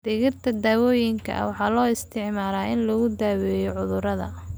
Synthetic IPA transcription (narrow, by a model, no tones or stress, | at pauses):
d̪̥ɪɣɪrt̪ʰɐd̪aːwɔːjɪŋkʰɐ̰wɑħɑːlɔːɪst̪ʰɪʕmaːɾaːʔɪnlɔɣʊd̪aːwɛjɔʕʊðʊɾɐðɐ̰